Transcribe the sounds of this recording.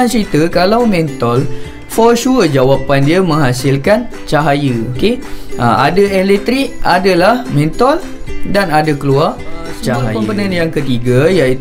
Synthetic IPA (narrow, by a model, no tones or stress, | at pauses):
ansəit̪əkalawmɛ̃nt̪ɔl | fɔrʃuərd͡ʒawapandiamə̃ŋɦasɪlkan | t͡ʃaɦajəokeʔaadaɛlɛt̪ɾik̚adalahmɛ̃nt̪ɔl | danadakəluart͡ʃaɦajəpənãnjaŋkət̪iɡajai